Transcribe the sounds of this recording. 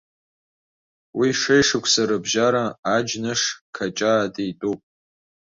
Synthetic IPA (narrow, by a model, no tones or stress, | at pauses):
wiʂejʂɨkʷʰsaɾɨbʒaɾaːd͡ʒnɨʂkʰat͡ʃʼaːdijtʼupʼ